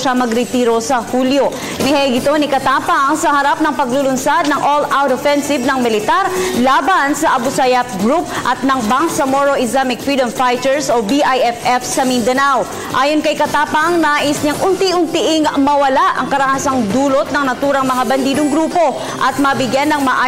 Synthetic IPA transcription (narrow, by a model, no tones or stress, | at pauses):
ʃamɐɡɾɪt̪iːɾo̞sɐhuːljo | ɪnɪhɛɡɪt̪o̞nɪkɐt̪aːpɐŋsɐhɐɾap̚nɐŋpɐɡ̚lulʊnsad̪̚nɐŋʔolawt̪ofɛnsɪvnɐŋmɪlɪt̪aɾlaːbɐnsɐʔɐbʊsajɐp̚ɡɾup̚ʔɐt̪̚nɐŋbaŋsɐmoɾoʔɪslamɪkfɹiːd̪ɐmfajt̪ɛɹsobiʔajɛfʔɛfsɐmind̪ɐnaw | ʔaːjonkɐjkɐt̪aːpɐŋnaːʔɪsɲɐŋʔʊnt̪iʔʊnt̪iʔɪŋmɐwɐlaʔɐ̰ŋkɐɾɐhaːsɐŋd̪uːlot̪̚nɐŋnɐt̪uːɾɐŋmɐŋabɐnd̪iːd̪oŋɡɾuːpo̞ | ʔɐt̪̚mɐbɪɡjanɐŋmɐʔaː